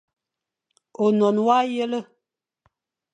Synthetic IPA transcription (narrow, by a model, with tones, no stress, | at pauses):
o˨nɔ˨nwa˦jə˦lə˦